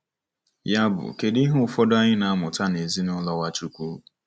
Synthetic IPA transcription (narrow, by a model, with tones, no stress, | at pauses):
ja˦bʊ̰˨ke˨di˦ɦʊ˦ʊ˨fɔ˦dʊ˦a˦ɲɪ˦na˨a˦mʊ˨ta˦ne˨zi˦nʊ˦lɔ˦wa˦t͡ʃu˦kʷu˦